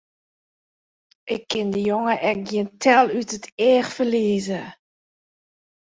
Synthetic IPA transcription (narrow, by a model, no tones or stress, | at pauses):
ʔɪkʰːɪndəjoŋəʔɛk̚ɡjiəntʰɛlˠytətʰɛːxfərliəzə